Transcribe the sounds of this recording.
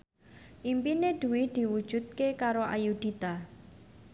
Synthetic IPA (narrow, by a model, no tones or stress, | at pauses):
ʔimpined̪̥ṳwid̪̥i̤wud̥ʒ̥ṳt̪̚kekaɾoa̰jud̪̥it̪a